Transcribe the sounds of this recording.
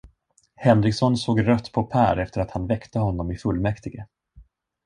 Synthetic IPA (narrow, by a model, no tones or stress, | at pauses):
hɛnɾɪksɔnsoːɡɾœt̪ːpʰɔpʰæːɾɛft̪əɾat̪hanvɛkt̪əhɔnːɔmɪfɵlmɛkt̪ɪɡə